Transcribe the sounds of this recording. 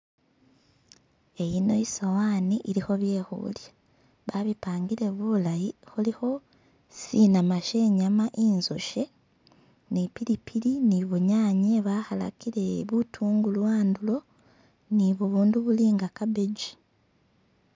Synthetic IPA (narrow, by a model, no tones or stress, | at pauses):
e̞jino̞isawaːniʔiɾixo̞βje̞ːxṵlja | βaβipaːŋɡiɾe̞βulajixulixo̞ | sinamaʃe̞ɲamaʔiːnzoʃe̞ | nipiɾipʰiɾiniβuɲaːɲeβaxala̰kiɾe̞βutʰuːŋɡulwaːndulo̞ | niβuβuːnduβuliːŋɡakabeɟi